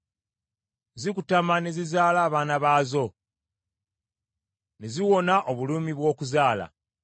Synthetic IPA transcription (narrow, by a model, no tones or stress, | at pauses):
zikutamanezizaːlaːβaːnaβaːzo̞ | neziwo̞naʔoβuluːmiβwo̞ːkuzaːla̰